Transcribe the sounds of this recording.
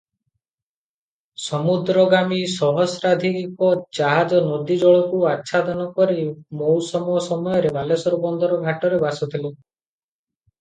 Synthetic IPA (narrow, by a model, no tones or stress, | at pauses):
sɔmud̪ɾɔɡamisɔɦɔsɾad̪ʱikikɔd͡ʒaɦad͡ʒɔnɔd̪id͡ʒɔɭɔkuatːʃʰad̪ɔnɔkɔɾimowsɔmuɔsɔmɔjɔɾebalesɔɾubɔnd̪ɔɾɔɡʱaʈɔɾebasɔt̪ʰile